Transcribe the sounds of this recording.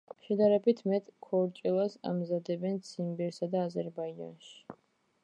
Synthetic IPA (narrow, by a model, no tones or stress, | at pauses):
mʃɛd̪aɾɛbit̪ʰmɛt̪ʼkʰɔɾt͡ʃʼilˠasa̰mzad̪ɛbɛnt̪sʰimbɛɾsad̪aːzɛɾbaid͡ʒa̰nʃi̥